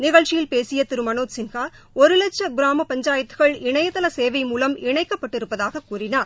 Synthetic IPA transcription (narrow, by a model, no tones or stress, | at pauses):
nɪɣɐɭt͡ʃɪjɪlpeːsɪjɐt̪ɪɾɯmɐnoːt̪sɪnɣaː | ɔɾɯlɐt͡ʃːɐɡɪɾaːmɐpɐɲd͡ʒaːjɐt̪ːɯ̥ɣɐɭɪɳɐjɐt̪ːɐlɐseːʋɐɪmuːlɐmɪɳɐɪkːɐpːɐʈːɪɾɯpːɐðaːɣɐkːuːrɪnaːɾ